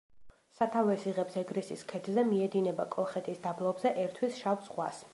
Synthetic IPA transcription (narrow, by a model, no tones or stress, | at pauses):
sat̪ʰavɛsiʁɛpsɛɡɾisiskʰɛt̪ʰzɛmiɛd̪inɛbakʼɔlˠχɛt̪ʰisd̪ablˠɔbzɛʔɛɾt̪ʰwisʃavt̪sʼqʼwa̰s